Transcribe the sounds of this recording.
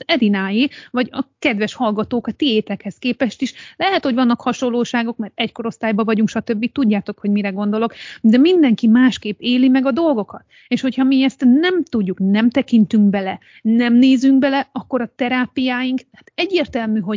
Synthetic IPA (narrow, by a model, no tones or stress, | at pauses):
ɛd̪inaːjeːvɒɟɒkɛd̪ʋɛʃhɒlɡɒt̪oːkɒt̪ːieːt̪ɛkhɛskeːpɛʃt̪iʃlɛɦɛt̪ho̞ɟʋɒnːɒkhɒʃo̞lːoːʃaːɡo̞kmɛrt̪ɛcko̞ɾo̞st̪aːjbɒvɒɟuŋkʃɒt̪ø̞bːit̪uɟːaːt̪o̞kho̞ɟmiɾɛɡo̞nd̪o̞lo̞kd̪ɛmind̪ɛŋkimaːʃkeːpːeːlimɛɡɒd̪o̞lɡo̞kɒt̪ | eːʃho̞chɒmiɛst̪nɛmt̪uɟːuknɛmt̪ɛkint̪yŋkbɛlɛ | nɛmneːzyŋkbɛlɛɒkːo̞ɾɒt̪ɛɾaːpijaːjiŋk̪aːt̪ɛɟːeːrt̪ɛlmyɦo̞